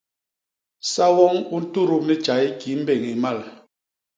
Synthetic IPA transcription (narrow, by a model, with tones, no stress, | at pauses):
sa˦wɔ˦ŋu˦n̩˦tu˦˨ɾu˦˨p̚ni˦t͡ʃa˨i˦ki˨˦m̩˦be˦˨ŋi˨ma˦˨l